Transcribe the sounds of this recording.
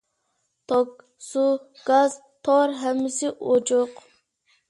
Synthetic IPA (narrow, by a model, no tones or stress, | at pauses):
t̪ʰok̚ | suɡ̥ɑz | t̪ʰoɾɦɛmːɪsɪʔod͡ʒoq